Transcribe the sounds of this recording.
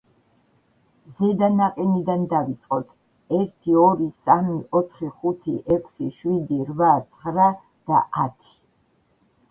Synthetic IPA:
zɛd̪anaqʼinid̪and̪avit̪sʼqʼɔt̪ʰ | ɛɾt̪ʰiɔɾisamiʔɔt̪ʰχiχut̪ʰiʔɛkʷʰsiʃwid̪iɾvat̪sʰχɾa | d̪̥a̰at̪ʰi̥

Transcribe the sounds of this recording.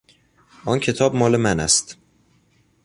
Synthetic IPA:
ʔɒncʰe̞t̪ʰɒːb̚mɒːlemænæ̰st̪

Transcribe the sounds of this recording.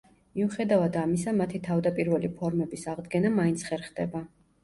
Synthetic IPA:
miuχɛd̪avad̪amisamat̪ʰit̪ʰavd̪apʼiɾvɛlipʰɔɾmɛbisaʁd̪ɡɛnamaint̪sʰχɛɾχd̪ɛba

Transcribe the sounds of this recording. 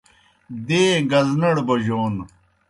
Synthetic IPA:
d̪eːɡɐznɐɽbɐʑoːn

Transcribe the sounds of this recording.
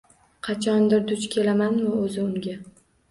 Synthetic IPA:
qʰɑt͡ʃʰɒnd̪ɪɾd̪ʊt͡ʃkʲʰe̞lamanvaɵzɪʊŋɡʲa

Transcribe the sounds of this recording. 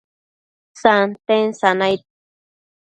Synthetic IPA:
sant̪ensanajt̪̚

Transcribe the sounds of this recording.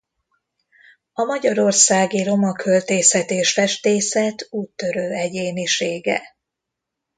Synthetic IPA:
ɒmɒɟɒɾo̞rsaːɡiɾo̞mɒkʰølt̪eːsɛt̪eːʃfɛʃt̪eːsɛt̪uːt̪ːø̞ɾøːɛɟeːniʃeːɡɛ̰

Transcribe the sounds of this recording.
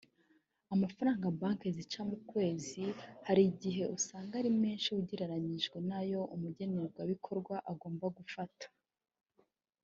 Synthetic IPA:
amafaɾaːŋɡabaːŋke̞zit͡ʃamukwe̞ːzihaɾiɟiɦe̞ʔusaːŋɡaɾime̞ːnʃiuɟiɾaɾaɲiʒɡwenajo̞ʔumuɟe̞neɡwaβikʰo̞ɾɡwaʔaɡo̞ːmbaɡufatḁ

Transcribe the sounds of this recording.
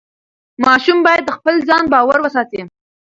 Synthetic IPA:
mɑʃumbɑjad̪̚ːəxpəlzɑnbɑwaɾwəsɑt̪i

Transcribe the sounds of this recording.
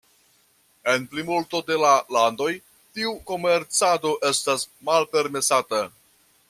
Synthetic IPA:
e̞nplimulto̞de̞lalando̞j | tiuko̞me̞ɾt͡sado̞ʔe̞stasmalpe̞ɾme̞sata

